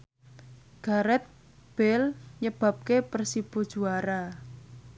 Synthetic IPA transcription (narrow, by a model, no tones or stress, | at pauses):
ɡ̥a̤ɾɛt̪̚ | b̥ɛlɲəb̥a̤p̚kepərsib̥ud̥ʒ̥uaɾa